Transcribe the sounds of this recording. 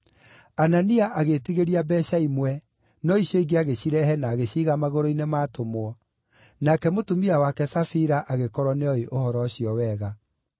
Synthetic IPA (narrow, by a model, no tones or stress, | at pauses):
ananiaʔaɣetiɣeɾiabɛɕaimwɛ | nɔiɕjɔiɡeaɣeɕiɾɛɦɛnaːɣeɕiːɣamaɣoɾoinemaːtomwɔ | nakɛmotomiawakɛsafiɾaʔaɣekɔɾwɔneɔeʔohɔɾɔɕjɔwɛːɣa